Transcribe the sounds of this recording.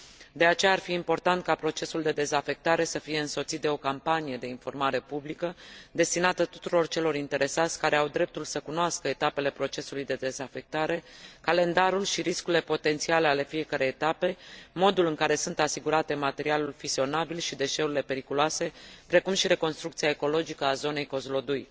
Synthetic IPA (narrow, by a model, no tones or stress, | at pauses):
d̪e̞at͡ʃe̞jaːrfiːmpo̞rt̪ant̪̚kapɾo̞t͡ʃe̞suld̪e̞d̪e̞zafe̞k̚t̪aɾe̞səfije̞ɨnso̞t̪sit̪d̪e̞o̞kampanije̞d̪e̞info̞rmaɾe̞publikəd̪e̞st̪inat̪ət̪u̥t̪uɾo̞rt͡ʃe̞lo̞ɾint̪e̞ɾe̞sat̪sʲkaɾe̞awd̪ɾe̞p̚t̪ulsəkunoaskəet̪ape̞le̞pɾo̞t͡ʃe̞sulujd̪e̞d̪e̞zafe̞k̚t̪aɾe̞kale̞nd̪aɾulʃiɾiskuɾilepo̞t̪e̞nt̪siale̞ale̞fije̞kaɾejːt̪ape̞mo̞d̪ulɨŋkaɾe̞sunt̪asiɡuɾat̪e̞mat̪e̞ɾialulfizio̞nabilʃid̪e̞ʃe̞uɾile̞pe̞ɾikuloase̞pɾe̞kumʃiɾe̞ko̞nst̪ɾukt̪siaeko̞lo̞d͡ʒikəazo̞ne̞jko̞zlo̞d̪uj